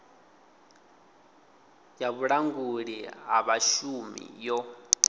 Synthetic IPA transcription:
jaβuɺaŋɡuɺiɦa̰βaʃumḭjɔ

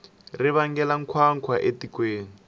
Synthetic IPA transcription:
rɪβaŋɡɛlaŋ̩kʰwaŋ̩kʰwaʔetikweːni

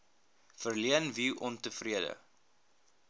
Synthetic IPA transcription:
fərliənviʔɔntəfriədə̰

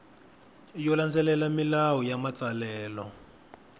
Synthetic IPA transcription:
jɔland͡zɛlɛlamilawɔjamat͡salɛːlɔ

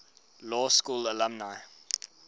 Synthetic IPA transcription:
lɔːskuːlələmnaɪ

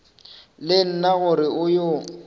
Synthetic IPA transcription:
lɪn̩naɣʊɾɪʊjo

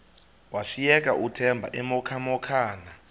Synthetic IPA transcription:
wasijɛk̬ʼaʔutʰɛmbʱa̰ʔɛmɔkʰamɔkʰaːna

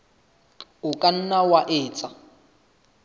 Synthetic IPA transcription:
ʊkʼan̩nawaʔɪːt͡sʼa

